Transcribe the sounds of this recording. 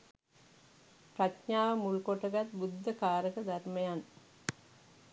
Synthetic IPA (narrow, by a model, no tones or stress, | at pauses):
pɾɐtɲaːʋɐmulkoʈɐɡɐt̪bud̪ːɐkaːɾəkɐd̪ʱɐɾmɐjan